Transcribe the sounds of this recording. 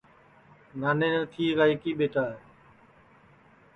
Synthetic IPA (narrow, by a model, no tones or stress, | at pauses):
naːneːnət̪ʰiːɾaːikiːɓeːʈaːɦe